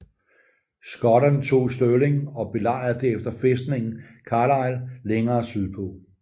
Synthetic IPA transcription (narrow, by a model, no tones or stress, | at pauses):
sɡ̥ɒ̽ɾɐnt͡sʰo̝̰ːsd̥øle̝ŋɒ̽b̥e̝lɑ̈ɪ̰ð̩ˠd̥e̝efd̥ɐfesd̥ne̝ŋn̩ | kʰɑ̈lɑ̈ɪlleŋɐːsyð̰ˠpʰɔ̽